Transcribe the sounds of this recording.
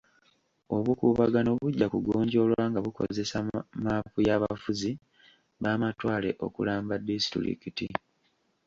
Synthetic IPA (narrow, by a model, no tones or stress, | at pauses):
o̞βukuːβaɡanoβuɟːakuɡo̞ːɲɟo̞ːlwaːŋɡaβuko̞̰ze̞samaːpujaːβa̰fuzi | βaːmatwaːle̞̰ʔo̞̰kulaːmbadistḭɾḭkiti